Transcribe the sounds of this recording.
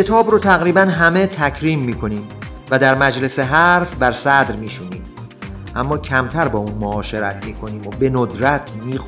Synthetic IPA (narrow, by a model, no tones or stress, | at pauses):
et̪ʰɒːbɾot̪ʰæɣɾiːbænɦæme̞t̪ʰækʰɾiːmːiːkʰo̞niːm | væd̪æɾmæd͡ʒle̞se̞ɦæɾfbæɾsæd̪ɾmiːʃuːniːm | ʔæmːɒːcʰæmt̪ʰæɾbɒːuːnmoɒːʃe̞ɾæt̪ʰmiːkʰo̞niːmobe̞nod̪ɾæt̪ʰmiːx